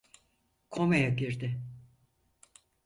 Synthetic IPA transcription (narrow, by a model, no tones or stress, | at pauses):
kʰomejaɟiɾd̪ɪ